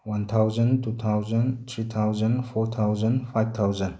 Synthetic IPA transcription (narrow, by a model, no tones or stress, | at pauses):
want̪ʰawzəntut̪ʰawzənt̪ʰɾit̪ʰawzənpʰɔt̪ʰawzənpʰajb̚t̪ʰawzən